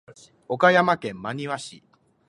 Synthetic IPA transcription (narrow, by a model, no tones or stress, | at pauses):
o̞kajamakẽ̞mːaɲ̟iβaɕḭ